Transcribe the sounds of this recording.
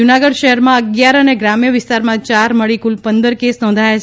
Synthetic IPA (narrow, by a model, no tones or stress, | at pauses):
unaɡəɽʃəɦɛɾmãəɡjaɾəneɡɾamijəʋɪst̪aɾmãt͡ʃaɾməɭikulpənd̪əɾkesnɔ̃ːnd̪ʱajat͡ʃʰ